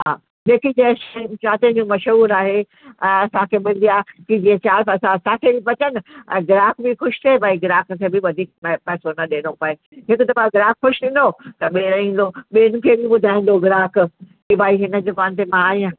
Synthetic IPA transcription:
ɦaː | ɓeːkʰid͡ʑɐʃt͡ɕaːt̪ẽd͡ʑũːmɐʃɦuːɾaːɦe | ɛ̃ːɐsãkʰeɓɪld̪ijakid͡ʑiːẽt͡ɕaːɐsãsãkʰeipɐt͡ɕənɪ̆ɛ̰̃ːɡɪɾaːkbɪxʊʃt̪ʰeebaːiɡɪɾaːk̆kʰeːbɪʋɐd̪ʱiːk̚pɐɦɪsonɐɗeːnopɐe | ɦɪkʊt̪ɐbãɡɪɾaːkxʊʃɗĩːn̆d̪ot̪ɐɓeːɾɐĩːn̆d̪oɓiːnʊ̃kʰeːbʱɪɓʊd̪ʱaːɪ̃n̆d̪oɡɪɾaːk | kibʱaːiɦɪnə̆d͡ʑokaːnt̪emãaːiã

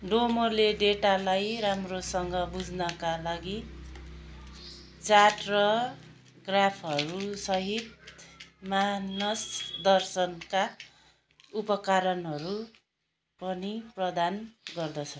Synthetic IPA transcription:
ɖomoleɖeʈalajɾamrosʌŋɡʌbud͡znʌkalaɡi | t͡saʈrʌ | ɡrapʰɦʌɾusʌɦit̪̚ | manʌsd̪ʌrsʌnka | upʌkaɾʌnɦʌɾu | pʌniprʌd̪anɡʌrd̪ʌt͡sʰʌ

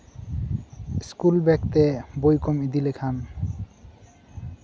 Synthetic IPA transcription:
skulbɛkt̪ebojkomid̪ilekʰan

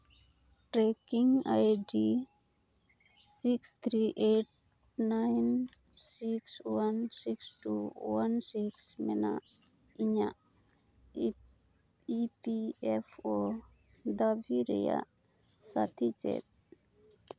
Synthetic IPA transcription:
ʈɾekiŋajɖi | sikst̪ʰɾiʔeʈ̚ | najn | sikswansiksʈuwansiksmɛna | iɲa | ipiepʰo | d̪abʱiɾḭja̰ | sat̪ʰit͡ʃḛt̪̚

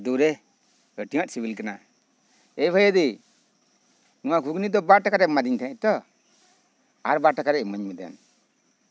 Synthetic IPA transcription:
d̪uɾɛ | əʈiwaʔsibilkana | ejbʱəjəd̪i | nuwaɡʱuɡnid̪ɔbaʈakaɾɛmad̪iɲt̪ʰnat̪ɔ | aɾbaʈakaɾɛməɲmɛd̪a̰n

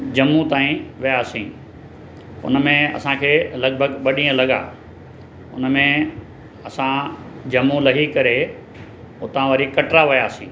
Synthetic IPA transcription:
d͡ʑɐmːut̪aːĩʋijaːsĩː | ʊ̰nəmẽɐ̰sãkʰeːlɐɡ̚bʱəɡɓɐɗĩːə̃lɐɠa̰ː | ʊ̰nmẽ | ɐsã | d͡ʑɐmːũlɐɦikɐɾe | ʊt̪ãʋɐɾikɐʈɾaʋɪjaːsḭ̃ː

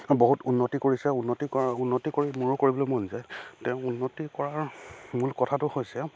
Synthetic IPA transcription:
boɦutunːotikoɹisɛunːotiɔunːotikoɹimuɹʊkoɹibɔlojmɔnzajtɛ̃ʊ̃unːotikɔɹaɹmulkɔtʰatʊhojsɛ

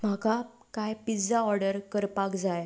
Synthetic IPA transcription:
m̤aka | kajpid͡zaɔɾɖəɾkəɾpakd͡zaj

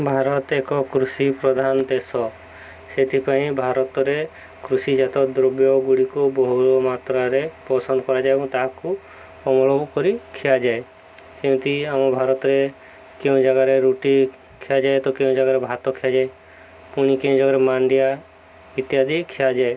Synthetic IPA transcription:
bʱaɾɔt̪ekɔkɾusipɾɔd̪ʱand̪esɔ | set̪ʰipaĩbʱaɾɔt̪ɔɾe | kɾusid͡ʒat̪ɔd̪ɾɔbjɔɡuɽikubɔɦuɾɔmat̪ɾaɾepɔsɔnd̪ɔkɔɾad͡ʒaebɔ̃t̪aɦaku | ɔmɔɭobkɔɾikʰiad͡ʒae | kew̃t̪iamɔbʱaɾɔt̪ɔɾe | keũd͡ʒaɡaɾeɾuʈi | kʰiad͡ʒaet̪ɔkeũd͡ʒaɡaɾebʱat̪ɔkʰiad͡ʒae | puɽ̃ikeũd͡ʒaɡaɾemaɳɖija | it̪jad̪ikʰijad͡ʒae

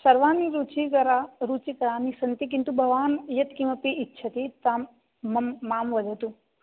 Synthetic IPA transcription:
sɐɾʋaːniɾut͡ʃikɐɾaɾut͡ʃikɐɾaːnisɐnt̪ik̬int̪ubʱɐʋaːnjɐt̪kimɐpiːtːʃʰɐt̪it̪aːmː | ɐmːaːmʋɐd͡ʒ̪ʱɐt̪u

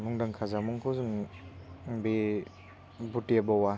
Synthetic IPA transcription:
muŋdaŋkʰazamuŋkʰɔzum | bi | butiabawa

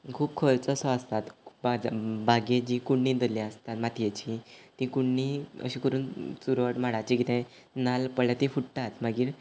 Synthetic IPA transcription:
kʰuːpkʰəɾt͡səsɔəst̪at̪bad͡zbaɡed͡ʑikuɳːĩd̪əlĩəst̪at̪mat̪ʰjet͡ɕit̪ĩkuɳːiə̰ɕĩːkəɾuːnsuɾəʈmaɽat͡ɕikit̪ɛ̃ | nalpəɭlat̪ĩfuʈʈat̪maɡiːɾ

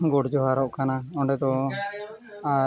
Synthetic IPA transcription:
ɡɔɽd͡ʒɔɦaɾɔʔkanaɔɳɖɛd̪ɔ | a

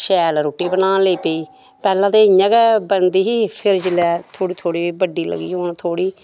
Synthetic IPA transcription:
ʃɛːlɾoːʈiːbənãːleiːpeiː | pɛːlãːt̪eːɲãːɡɛbənd̪iːɦiːpʰɪɾd͡ʒɪlɛːt̪ʰoːɽiːt̪ʰoːɽiːiːbəɖiːlə̰ɡḭːɦoːnt̪ʰoːɽiː

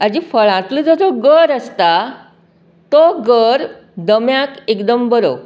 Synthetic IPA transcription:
ad͡ʑifəɭãt̪ləd͡zəd͡zoɡəɾəst̪a | t̪oɡəɾ | d̪əmjakekd̪əmbəɾo̰

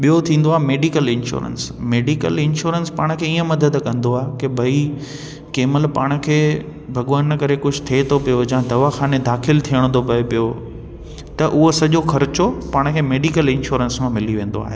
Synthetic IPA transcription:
ɓijot̪ʰĩːn̆d̪oaːɦemeːɖiːkəlɪ̃nʃṵːɾə̰nsmeːɖikə̰lɪnʃuːɾənspaːɽ̃kʰeːiːə̃mɐd̪əd̪kɐ̃nd̪oaːɦekɪbʱɐi | keːməlpa̰ːɽ̃̆kʰeː | bʱɐɠʋaːnɐkɐɾekʊd͡ʑʱʊt̪ʰet̪ʰopijod͡ʑãd̪ɐʋaxaːned̪aːxɪlt̪ʰijəɽ̃t̪ʰopɐpijo | t̪ɐʔʊɦosɐʄoxɐɾɪt͡ɕopaːɽ̃kʰeːmeːɖikəlɪ̃nʃuːɾənsmãmɪliʋẽːn̆d̪o̰a̰ːɦeː

